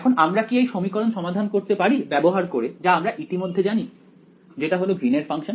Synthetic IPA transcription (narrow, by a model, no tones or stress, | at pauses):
kʰonamɾakiejʃomikɔɾonʃɔmad̪ʱankoɾt̪epaɾibɛboɦaɾkoɾed͡ʑaamɾaʔit̪imod̪ʱːed͡ʑani | d͡ʑeʈaɦoloɡʱɾineɾfaŋʃon